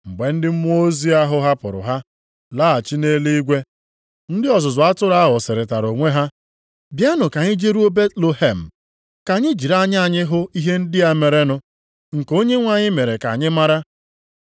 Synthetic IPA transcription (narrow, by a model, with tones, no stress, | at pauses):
ŋ͡m̩˨ɡ͡be˨n̩˦dɪ˦m̩˦m˦o˦zi˦a˦ɦʊ˦ɦa˦pʊ̰˨ɾʊ̰˨ɦa˦ | laː˦a˨t͡ʃi˦ne˦li˦ɡʷe˦ | n̩˦dɪ˦ɔ˨zʊ˨zʊ˨a˦tʊ˦ɾa˦ɦʊ˨sɪ˨ɾɪ˨ta˨ɾo˨ŋʷe˦ɦa˦ | bja˦nʊ˨ka˨ɲɪ˦d͡ʒe˦ɾu˦o˦be˦tlo˦he˦˨m̩˨ | ka˨ɲɪ˦d͡ʒi˨ɾa˦˨ɲ˦a˨ɲɪ˦ɦʊ˦i˦ɦe˦n̩˦dɪ˦a˦me˨ɾe˦nʊ˦ | ŋ̩˨ko˦ɲe˦ŋʷa˨ɲɪ˦me˨ɾe˨ka̰˨ɲɪ˦ma˦ɾa˦